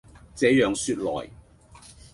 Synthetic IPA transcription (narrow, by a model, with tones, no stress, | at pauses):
t͡sɛː˨˧˥jœː˨ŋsyː˧t̚lɔ̰ː˨˩j